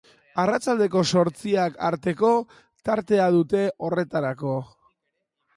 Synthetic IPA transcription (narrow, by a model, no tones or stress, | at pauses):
arat͡sald̪e̞ko̞so̞ɾt͡siaka̰ɾt̪e̞ko̞ | t̪aɾt̪e̞að̞ut̪e̞ʔo̞re̞t̪aɾako̞